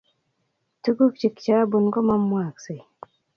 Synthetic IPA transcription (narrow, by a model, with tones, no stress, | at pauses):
tu˦ɡu˦k̚t͡ʃi˨kt͡ʃaː˦bu˨nɡo˦ma˦mːwaː˨kse˨j